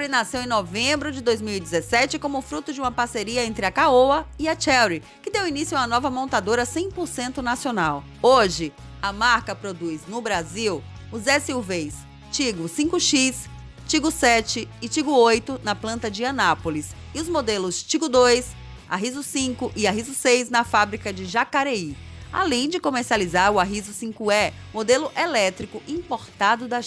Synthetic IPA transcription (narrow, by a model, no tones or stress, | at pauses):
ɾinasewẽj̃novẽbɾʊd͡ʒɪd̪ojzmiwid͡ʒɪzesɛt͡ʃɪkõmʊfɾut̪ʊd͡ʒɪũmɐpaɾseɾiɐẽnt̪ɾɪɐkaowɐɪɐt͡ʃɛwɾi | kɪd̪ewinisjʊũɐnɔvɐmõnt̪ad̪oɾɐsẽj̃poɾsẽnt̪ʊnasionaw | oʒɪ | ɐmaɾkɐpɾod̪ujznʊbɾaziw | ʊzɛsiwvejs | t͡ʃiɡʊsĩŋkʊʃis | t͡ʃiɡʊsɛt͡ʃɪːt͡ʃiɡʊojt̪ʊnɐplɐ̃nt̪ɐd͡ʒɪɐ̃napolis | ɪʊzmod̪elʊst͡ʃiɡʊd̪ojs | a̰ɦizʊsĩkʊʔɪaɦizʊsejznɐfabɾikɐd͡ʒɪʒakaɾeia̰lẽj̃d͡ʒɪkomeɾsializaɾʊaɦizʊsĩkʊɛ | mod̪elʊʔelɛt̪ɾikʊʔĩpoɾt̪ad̪ʊd̪ɐ